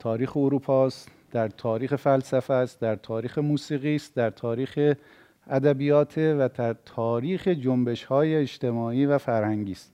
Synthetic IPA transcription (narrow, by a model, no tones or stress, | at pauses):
t̪ʰɒːɾiːxeoɾuːpʰɒːst̪ | d̪̥æɾt̪ʰɒːɾiːxefælsæfæst̪d̪æɾt̪ʰɒːɾiːxemuːsiːɣiːst̪d̪æɾt̪ʰɒːɾiːxe | æd̪æbijɒːt̪ʰevæd̪ʰæɾt̪ʰɒːɾiːxed͡ʒombe̞ʃhɒːjeːʃt̪e̞mɒːiːvæfæɾhæŋɟiːst̪